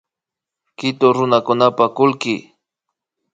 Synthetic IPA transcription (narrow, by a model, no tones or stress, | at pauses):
kɪt̪oɾʊnakʊnapakʊlkɪ